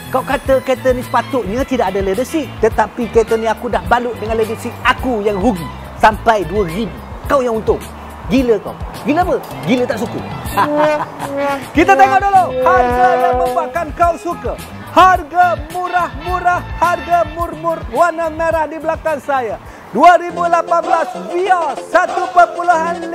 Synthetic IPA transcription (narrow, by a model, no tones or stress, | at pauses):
kawkat̪əket̪ənĩsə̥pat̪ʊʔɲãt̪idaʔadaledəsiʔt̪ət̪apiket̪ənĩakudahbalʊʔdəŋanledəsiʔakujaŋɾuɡi | sampajduəɡin | kawjaŋunt̪ʊŋ | ɡiləka̰wɡiləpə | ɡilət̪aʔsukə̰ | kit̪at̪eŋoʔdolawharɡajaməbakankawsukə | harɡamuɾahmuɾahharɡamurmʊrwanamnaɾahdibəlakansaja | duaɾibulapanbəlasbiasat̪upərpuluɦan